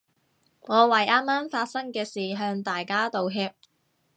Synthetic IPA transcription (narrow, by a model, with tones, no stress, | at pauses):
ŋɔː˨˧wɐ˨˩jʔaː˥mːaː˥mfaː˧t̚sɐ˥ŋkɛː˧siː˨˩ɦœː˧ŋt̪aː˨jkaː˥t̪o˨wɦɛː˧p̚